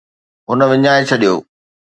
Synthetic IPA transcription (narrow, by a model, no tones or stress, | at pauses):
ɦʊnə̆ʋɪɲaːet͡ɕʰɐɗijo̰ː